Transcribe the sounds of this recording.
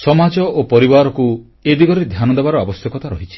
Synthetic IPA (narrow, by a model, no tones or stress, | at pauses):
sɔmad͡ʒɔopɔɾibaɾɔku | ed̪iɡɔɾed̪ʱjanɔd̪ebaɾɔabɔst̪jɔkɔt̪aɾɔɦit͡ʃʰi̥